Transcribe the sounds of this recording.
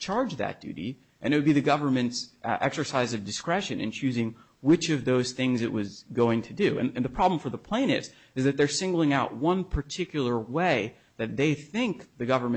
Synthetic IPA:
t͡ʃʰɑɹd͡ʒðɨ̰t̚d̥ʉ̰ɾḭ | ʔɨ̃ñɨt̚wɨd̚biðɨɡʌvə˞mɨ̃ntsʔɛ̰ksə˞saɪzʌvdɨskɹɛʃɨ̃nɨ̰̃nt͡ʃʰʉzɪ̃ŋ | wɪt͡ʃʌvðoʊz̥θɪ̃ŋzɨʔ̚wʌzɡoʊɪ̃ŋtʰɨdʉɨ̰̃nɨ̃nðəpʰɹ̥ɑblɱ̩fə˞ðəpʰl̥ẽɪ̃nɪ̰ts | ɨzðɨt̪̚ðə˞sɪ̃ŋɡl̩ˠɪ̃ŋaʊʔ̚wʌ̃npʰə˞tʰɪkjl̩ˠə˞weɪ | ðɨt̪̚ðeɪθɪ̃ŋkðɨɡʌvə˞m̃

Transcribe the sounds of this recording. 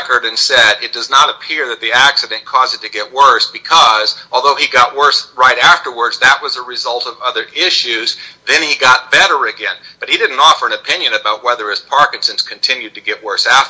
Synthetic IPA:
kə˞ɾɨ̃nsɛɾɨt̚d̥ʌznəɾɨpʰɪɹðɨt̪̚ðiæksɨɾɨ̃nkʰɔzɨd̚tʰɨɡɛt̚wɜ˞sb̥ɨkʰʌzɔlˠðoʊiɡɑt̚wɜ˞sɹaɪɾæftə˞wə˞dzðɨt̚wʌzəɹɨzʌlˠtʌvʌðə˞ʔɪʃʉzðɨ̃niɡɑt̚b̥ɛɾə˞ɨɡɛ̃nb̥ʌt̚hiɾɪdⁿn̩tɔfə˞ɨ̃nɨpʰɪ̃njɨ̃nɨbaʊt̚wɛðə˞ɨz̥pʰɑɹkɨ̃nsɨ̃nskʰɨ̃n̩tʰɪ̃njʉd̚tɨɡɛʔ̚wɜ˞sæft

